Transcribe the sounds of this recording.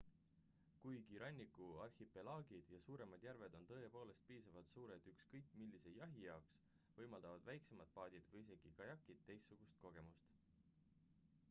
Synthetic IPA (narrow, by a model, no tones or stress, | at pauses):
kujkiɾʔɑnʲːikːuɑrhipe̞lɑːɡ̥id̪̥jɑsuːɾe̞mɑd̪̥jærve̞d̪̥o̞nt̪ɤːe̞po̞ːle̞st̪̚piːsɑvɑt̪suːɾed̪̥ykskɤjkːˑmilːise̞jɑɦijɑoks | vɤjmɑld̪ɑvɑd̪̥væjkse̞mɑd̪̥̚pɑːd̪̥ʲid̪̥vɤjise̞ɡ̥ikɑjɑkˑːid̪̥̚t̪ːe̞jstːuɡ̥ust̪̚ko̞ɡ̥e̞must̪